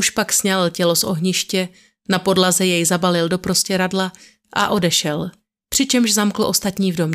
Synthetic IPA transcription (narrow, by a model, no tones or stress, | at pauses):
uʃpaksɲɛlcɛlo̞sʔo̞ɦɲɪʃcɛ | napo̞dlazɛjɛjzabalɪldo̞pɾo̞scɛɾadla | ʔa̰ʔo̞dɛʃɛl | pr̥ɪt͡ʃɛmʃʒzamkl̩ʔo̞st̪at̪ɲiːvdo̞mɲ